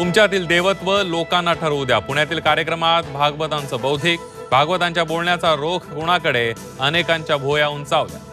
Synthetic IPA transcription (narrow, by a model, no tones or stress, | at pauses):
t̪umt͡ɕjat̪iːld̪eʋət̪ʋəlokãnːaʈʰəɾəwd̪japuɳjat̪iːlkaɾjəkɾəmat̪bʱaɡʋət̪ãnt͡səːbəwd̪ʱiːk | bʱaɡʋət̪ãɲt͡ɕjabolɳjat͡saɾokʰkuɽ̃akəɽe | ənekãɲt͡ɕjabʱojauːnt͡saʋl